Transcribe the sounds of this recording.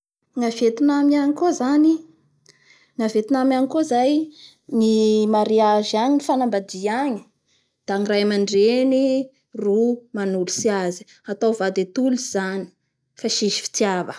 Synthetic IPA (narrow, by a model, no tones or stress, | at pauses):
ŋavet̪inamiaɲikozani | ŋavet̪inamiaŋikozaj | ŋimaɾiaʒiaɲinifanambad̪iaɲi̥ | d̪̥aŋirajmaɳɖ͡ʐeni | rumanulusiazi̥ | at̪awvad̪et̪uliz̥ani̥ | faʃiʒi̥fi̥t͡s̪iavə